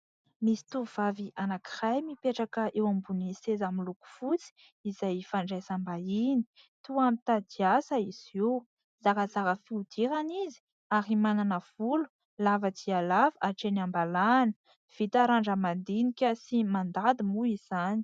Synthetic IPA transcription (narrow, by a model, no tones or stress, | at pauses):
misi̥t̪uvaviʔanakirajmipeʈ͡ʂakəʔewambunisezamiluku̥fut͡si̥ | izajfaɳɖ͡ʐajsambaini̥ | t̪uamit̪ad̪iasaisew | z̥aɾəzaɾəfiud̪̥iɾanizi̥ | aɾimananəv̥ulu̥ | lavəd̪ialavaʈ͡ʂenambalanə̥ | v̥it̪aɾaɳɖ͡ʐəmand̪inikʲəsimand̪ad̪imuiz̥ani̥